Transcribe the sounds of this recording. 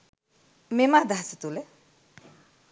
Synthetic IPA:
memad̪aɦsət̪ule

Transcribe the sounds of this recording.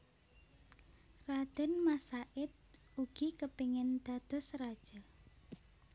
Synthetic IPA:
rad̪̥ɛ̤nmasaʔɪt̪̚ | uɡ̥ikəpiŋɪnd̪̥a̤d̪̥ɔ̤srad̥ʒ̥ɔ

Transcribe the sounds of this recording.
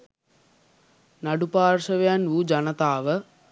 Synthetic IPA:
nɐɖupaːɾʂɐʋɐjanʋud͡ʒɐnɐt̪aːʋə

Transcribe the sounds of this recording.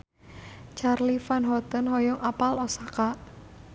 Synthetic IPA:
t͡ʃarlifanɦɔt̪ənhɔjɔŋʔapalɔsaka

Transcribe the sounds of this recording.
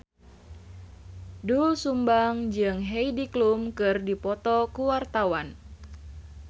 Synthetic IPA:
dusumbaŋd͡ʒɨŋɦeidiklumkɨrdipɔt̪ɔkuwart̪awan

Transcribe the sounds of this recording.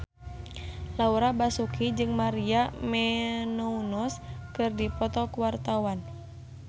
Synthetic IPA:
lauɾabasukid͡ʒɨŋmaɾiamɛnounɔskɨrdipɔt̪ɔkuwart̪awan

